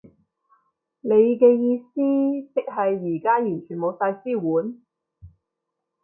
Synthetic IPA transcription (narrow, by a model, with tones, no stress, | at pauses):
ne˨˧jkɛː˧jiː˧siː˥t͡sɪ˨k̚ɦɐ˨jːiː˨˩kaː˥jyː˨˩nt͡ʃʰyː˨˩nmo˨˧wsaː˧jsiː˥wuː˨˥n